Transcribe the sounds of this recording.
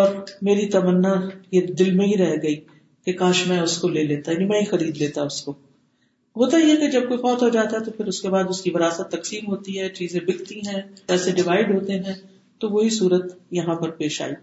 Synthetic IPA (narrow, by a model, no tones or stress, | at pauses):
ɔːɾmeːɾit̪ɐmənːajed̪ɪlmẽɦiɾɛɦɡɐi | kekãːʃmɛ̃ʊskoleːleːt̪ajaːnimɛ̃ːɦixɐɾiːd̪leːt̪aʊsko | ɦoːt̪aiɛked͡ʒɐb̚koːixɔːt̪ɦod͡ʒaːt̪aɦɛt̪opʰɪɾʊskebaːd̪ʊskiʋɐɾaːsət̪ːɐksiːmɦoːt̪iɦɛt͡ʃiːzẽbɪkt̪iɦɛ̃ɛːseɖɪʋaːɪɖɦoːt̪eɦɛ̃ | t̪oʋoɦisuːɾət̪jɐɦãpɐɾpeːʃa̰ːi